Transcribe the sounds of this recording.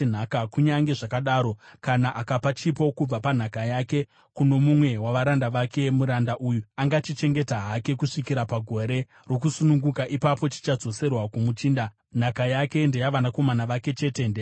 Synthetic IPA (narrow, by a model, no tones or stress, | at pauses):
n̤akakuɲaŋɡe̞ʐakaɗaːɾo̞kanaʔakapat͡ʃipo̞kub͡vapan̤akajaːke | kuno̞mumwe̞waʋaɾandaʋake̞muɾandaʔujuaŋɡat͡ʃit͡ʃe̞ŋɡe̞taɦake̞kuʂikiɾapaɡʱo̞ɾe̞ | rok̬usunuŋɡukaʔipapo̞t͡ʃi̥t͡ʃad͡zo̞se̞rwakumut͡ʃiːnda | n̤akajake̞nde̞jaʋanako̞manaʋake̞t͡ʃe̞ːte̞nde